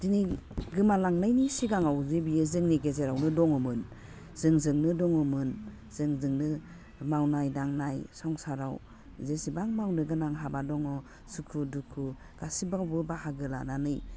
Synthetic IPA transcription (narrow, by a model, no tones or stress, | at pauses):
diniɡɯmalaŋnajnisiɡaŋawzebijɯzɯŋniɡezeɾawnɯdɔŋɔmɯn | z̥ɯŋzɯŋnɯdɔŋɔmɯn | z̥ɯŋzɯŋnɯ | mawnajdaŋnajsɔŋsaɾaw | zesibaŋmawnɯɡɯnaŋɦabadɔŋɔ | sukʰudukʰu | ɡ̥asibawbɯbahaɡɯla̰nanɯj